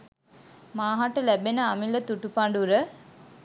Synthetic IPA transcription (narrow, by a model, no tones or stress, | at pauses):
maːɦaʈəlæbenəamilət̪uʈupaɳɖuɾə